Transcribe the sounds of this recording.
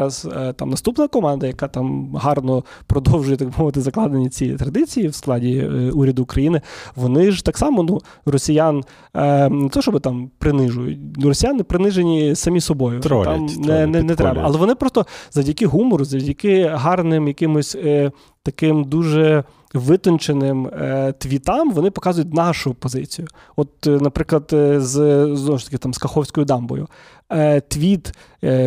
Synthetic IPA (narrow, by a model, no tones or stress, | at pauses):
ɾɐzt̪ɑ̰mnɐst̪upnɐkɔmɑnd̪ɐjɐkɑt̪ɑmɦɑrnɔ | pɾɔd̪ɔwʒʊjɛt̪ɐɡbɪmɔʋɪt̪ɪzɐklˠɑd̪enʲːɐt͡sʲit̪ɾɐd̪ɪt͡sʲijiwsklˠɑdʲiuɾʲɐd̪ʊːkɾɐjinɪʋɔnɪʒt̪ɑksɑmɔnu | rɔsʲijan | net̪ɔʃt͡ʃɔbɪt̪ɑmpɾɪnɪʒʊjʊ̰tʲnrɔsʲijanɪpɾɪnɪʒenʲisɐmʲisɔbɔjʊ̰t̪mnɛnɛnɛt̪ɾɛbɐ̰ːlˠɛʋɔnɪpɾɔst̪ɔzɐwdʲɐkɪɦumɔɾʊzɐʋdʲɐkɪɦɑrnɪmjɐkɪmʊsʲ | t̪ɐkɪmd̪uʒɛ | ʋɪt̪ɔnt͡ʃenɪmt̪ʋʲit̪ɑmʋɔnɪpɔkɑzʊjʊt̚ʲnɑʃʊpɔzɪ̰t͡sʲijʊ | ɔt̪nɐpɾɪklˠɐd̪zznɔʋɔʃt̪ɐ̥kɪt̪ɑmskɐxɔwsʲkɔjʊd̪ɑmbɔ̰jʊ̰ | t̪ʋʲit̪